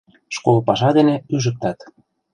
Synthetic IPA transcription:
ʃkolpɑʃɑd̪eneyʒə̆k̚t̪ɑt̪

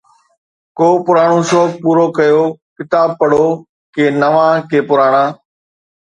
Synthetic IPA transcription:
koːpʊɾaːɽ̃õːsoːpuːɾoːkəjoːkɪt̪aːb̚pəɽoː | keːnəʋãːkeːpʊɾaːɽ̃ãː

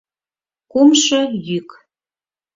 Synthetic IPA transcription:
kumʃɤjyk

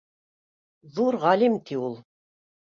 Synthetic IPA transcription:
ðuɾʁɑlimt̪ʰiulˠ

